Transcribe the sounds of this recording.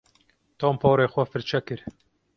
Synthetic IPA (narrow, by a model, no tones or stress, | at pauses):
t̪ʰɑːmpʰɑːɾeːxʷɛfɨɾt͡ʃʰɛkɨɾ